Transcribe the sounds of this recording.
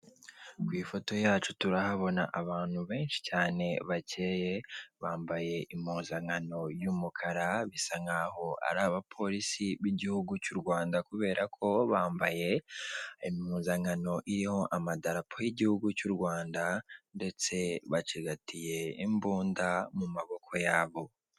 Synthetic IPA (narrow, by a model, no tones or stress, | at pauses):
kwiːfo̞to̞jaːt͡ʃutuɾahaβo̞na̰ʔaβaːn̥huβe̞ːnʃi̥caːne̞βace̞ːje̞βaːmbaje̞ʔimhuːnzaŋano̞jumukʰaɾaβisaŋaho̞a̰ɾaːβapʰo̞ɾisiβiɟihuɡucuɾɡwaːndakuβe̞ːɾakʰo̞βaːmbaje̞ | imuːnzaŋano̞ʔiɾiho̞ʔamadaɾapʰojiɟihuɡucuɾɡwaːndande̞t͡se̞βat͡ʃiɡatije̞imbuːndamumaβo̞kʰo̞jaːβo̞